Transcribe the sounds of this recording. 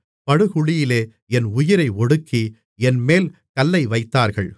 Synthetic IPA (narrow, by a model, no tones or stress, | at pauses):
pɐɽɯɣʊɭɪjɪleː | ɛnʊjɪɾɐɪɔɽɯkːi | ɛnmeːlkɐlːɐɪʋɐɪt̪ːaːɾɣɐɭ